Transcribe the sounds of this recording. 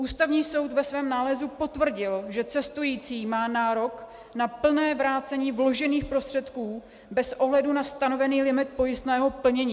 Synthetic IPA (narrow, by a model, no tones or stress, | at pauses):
ʔuːst̪avɲiːso̞wt̪vɛsvɛːmnaːlɛzupo̞t̪vr̩ɟɪlʒɛt͡sɛst̪ujiːt͡siːmaːnaːɾo̞k | napl̩nɛːvɾaːt͡sɛɲiːvlo̞ʒɛniːxpɾo̞st̪r̝̥ɛt̪kuː | bɛsʔo̞ɦlɛdunast̪ano̞vɛniːlɪmɪt̪̚po̞jɪst̪nɛːɦo̞pl̩ɲɛɲiː